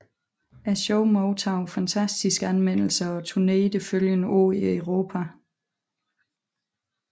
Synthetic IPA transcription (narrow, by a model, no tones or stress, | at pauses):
æɕɔʊmɔʊt͡sʰɑ̈ʊfænt͡sʰæsd̥isɡ̥ænmen̰l̩sɐɒ̽t͡sʰuneːd̥əføljənəʔo̰ːieʊʁo̝ːpʰæ